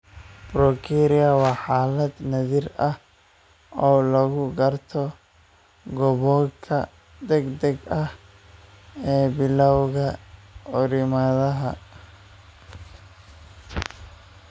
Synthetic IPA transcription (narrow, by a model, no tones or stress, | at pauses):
brɔkʰiɾɪjɐwɑːħaːlɐd̪nɐðirɐh | ɔːlɐɣʊɡɐrt̪ʰɔ | ɡɔβɔkʰɐ | d̪ɛɡd̪ɐɡɐh | ɛːbɪlɐwɣɐɔɾɪmɐðɐɦɐ